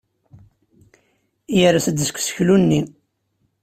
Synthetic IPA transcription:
jəɾæsəd̪əskʷːsə̥çlunːi

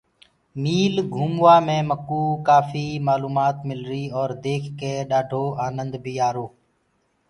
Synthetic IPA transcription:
miːlɡʱuːmʋaːmẽːməkuːkaːfiːmaːluːmaːt̪mɪlɾiːɔːɾd̪eːkʰkeːɗaːɖʱoːʔaːnənd̪biːaːɾoː

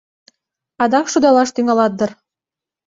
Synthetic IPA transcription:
ɑd̪ɑkʃud̪ɑlɑʃt̪yŋɑlɑt̪̚d̪ɤ̆r

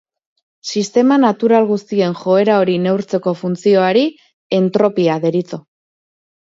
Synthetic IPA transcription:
sist̪e̞manat̪uɾalɣust̪ie̞nxo̞e̞ɾao̞ɾine̞wɾt͡se̞ko̞funt͡sio̞aɾi | e̞nt̪ɾo̞piaðe̞ɾit͡so̞

